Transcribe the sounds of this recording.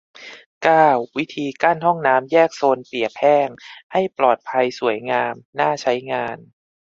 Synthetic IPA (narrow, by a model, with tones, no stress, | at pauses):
kaː˥˩wːi˦˥t̪ʰiː˧kaː˥˩nɦɔ˥˩ŋnaː˦˥mjɛː˥˩k̚soː˧npi˨˩əpʰɛː˥˩ŋha˥˩jplɔː˨˩t̪̚pʰa˧jsu˩˦əjŋaː˧mnaː˥˩t͡ɕʰa˦˥jŋaː˧n